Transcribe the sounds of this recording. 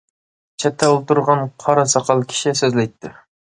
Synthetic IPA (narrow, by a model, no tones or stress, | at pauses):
t͡ʃʰɛt̪ʰːɛulˠt̪uɾʁɑnqʰɑɾɑsɑqʰɑlˠkʲʰi̥ʃɪsøzlɛjt̪ʰːɪ